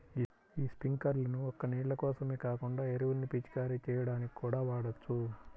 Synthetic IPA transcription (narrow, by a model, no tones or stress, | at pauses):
iːspiŋkɐɾlɐnuɔkːɐniːʈlɐkɔːsɐmeːkaːkuɳɖaːeɾiʋunːipit͡ʃi̥kaːɾit͡ʃɛːjɐɽaːniki̥kuːɽaːʋaːɽɐt͡ʃːu